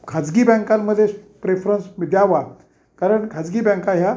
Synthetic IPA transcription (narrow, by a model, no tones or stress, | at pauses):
kʰad͡zɡiːbɛ̃ŋkamːəd̪ʱːjepɾefɾənsʋid̪jaʋa | kaɾəɳkʰad͡zɡiːbɛ̃ŋkaɦja